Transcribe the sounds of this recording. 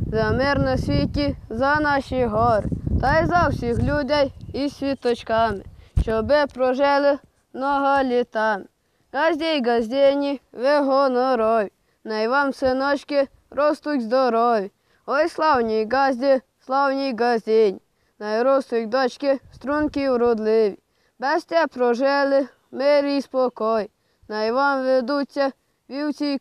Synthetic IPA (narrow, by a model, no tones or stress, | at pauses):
zamɛɾnɔsʲʋʲitʲizanaʃiɦɔɾ̰t̪ajzawsʲixlʲud̪ʲajisʲʋʲit̪ɔt͡ʃkamɪ̰ʃt͡ʃɔbɛpɾɔʒɛlɪ | nɔɦalʲit̪amɪ | ɡazʲd̪ʲejɡazʲd̪ʲenʲiʋɛɦɔnɔɾɔʋʲi | najʋamsɛnɔt͡ʃkʲɛ | ɾost̪ukʲzd̪ɔɾɔʋi | ɔjslˠawɲiɡazʲd̪ʲe | slˠawɲiɡazʲd̪ʲeɲi | najɾost̪ukʲd̪ɔt͡ʃkʲest̪ɾunkiuɾod̪lɪʋi | bɛst̪ʲɛpɾɔʒɛlɪ | meɾispɔkɔji | najʋamʋed̪uːt͡sʲa | ʋiwt͡sʲi